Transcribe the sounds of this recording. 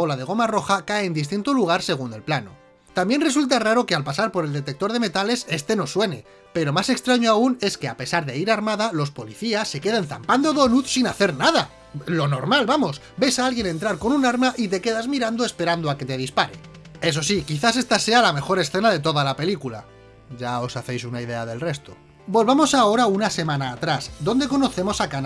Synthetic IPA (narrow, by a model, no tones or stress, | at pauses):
o̞lað̞e̞ɣ̞o̞maro̞xakaeːnd̪is̬t̪int̪oluɣ̞aɾse̞ɣ̞une̞lplano̞̰ | t̪ambje̞nre̞sult̪araɾo̞ke̞alpasaɾpo̞ɾe̞ld̪e̞t̪e̞k̚t̪o̞ɾð̞e̞me̞t̪ale̞se̞st̪e̞no̞swe̞ne̞ | pe̞ɾo̞mase̞kst̪ɾaɲoaune̞ske̞a̰pe̞saɾðe̞iɾaɾmaðalo̞spo̞liθiasːe̞ke̞ðenθa̰mpand̪oðonuðsinaθe̞ɾnaða | lo̞no̞ɾmalβamo̞s | be̞saalɣje̞ne̞nt̪ɾaɾko̞nunaɾmaʔit̪e̞ke̞ðazmiɾand̪oe̞spe̞ɾand̪o̞ake̞t̪e̞ð̞ispaɾe̞ | e̞s̬o̞sikiθas̬e̞st̪ase̞alame̞xo̞ɾe̞sθenaðe̞t̪o̞ðalape̞likula̰ | ɟ͡ʝao̞saθe̞jsunaiðe̞aðe̞lre̞st̪o | bo̞lβamo̞sao̞ɾaunase̞mãnaːt̪ɾasd̪o̞nd̪e̞ko̞no̞θe̞mo̞sakan